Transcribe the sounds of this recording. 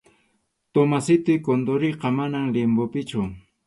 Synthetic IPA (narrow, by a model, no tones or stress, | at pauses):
t̪omasɪt̪ɪjkond̪oɾɪqɑmanaŋlɪmbopɪt͡ʃʊ